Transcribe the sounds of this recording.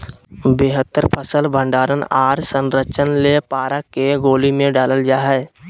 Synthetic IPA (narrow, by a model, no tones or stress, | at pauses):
beːɦət̪ːəɾpʰəsəlbʱə̃ɳɖaːɾənaːɾsə̃nɾət͡ʃənlepaːɾakeɡoːlimẽɖaːləld͡ʒaːɦɛ